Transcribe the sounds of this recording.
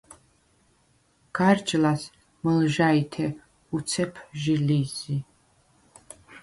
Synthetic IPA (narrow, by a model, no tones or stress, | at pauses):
ɡ̥aɾd͡ʒʼlas | məlʒait̪ʰɛ | ut̪sʰɛpʰʒilizi